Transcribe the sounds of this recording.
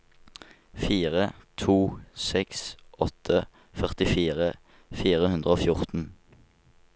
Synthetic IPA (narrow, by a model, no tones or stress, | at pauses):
fiːʁət̪ʰuːsɛksʔɔt̪ʰə | fœʁt̪ɪfiːʁə | fiːʁəhʉnd̪ʁəoːfjʊʁt̪n̩